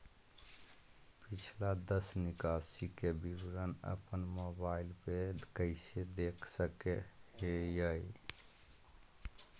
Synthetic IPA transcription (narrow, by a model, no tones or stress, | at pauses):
pit͡ʃʰlad̪əsnikasikebibɾənə̰pənmobaɪlped̪kəɪsed̪ekʰsəkeejəj